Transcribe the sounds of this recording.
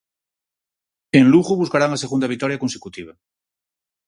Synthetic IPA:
ẽnluɣuβuskaɾaŋaseɣund̪aβik̚t̪ɔɾjakonsekut̪iβ̞a

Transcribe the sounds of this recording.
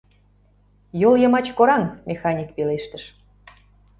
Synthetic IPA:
joljə̆mɑt͡ɕkoɾɑŋmʲexɑnʲik̚peleʃt̪əʃ

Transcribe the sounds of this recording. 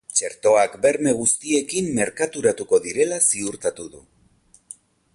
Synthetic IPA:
t͡ʃe̞ɾt̪o̞akbe̞ɾme̞ɣ̞ust̪ie̞kimːe̞ɾkat̪uɾat̪uko̞ðiɾe̞lasiuɾt̪at̪uðṵ

